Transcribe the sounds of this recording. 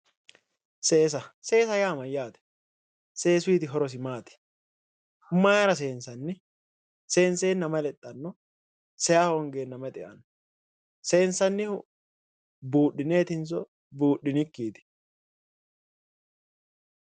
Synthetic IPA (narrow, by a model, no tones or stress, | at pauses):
seːs̬ɐse̞ːsɐjaːmɐjaːt̪ɛ̥ | se̞ːsʊiːt̪ɪɦɔɾɔs̬ɪmaːt̪ɪ̥ | mɐjaɾɐs̬e̞ːnsɐnːɪ | se̞ːnseːnːɐmɐlɛt̪ʼːɐnːɔ | sɛjaːhɔŋɡe̞ːnːɐmɐt̪ʼɛʔɐ̰n | se̞ːnsɐnːɪhʊ | buːɗːɪne̞ːt̪ɪnsɔ | buːɗːɪnɪkːiːt̪ɪ̥